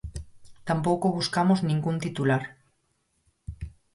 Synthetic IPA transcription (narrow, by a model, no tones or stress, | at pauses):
t̪ampowkoβuskamoznĩŋɡunt̪it̪ulaɾ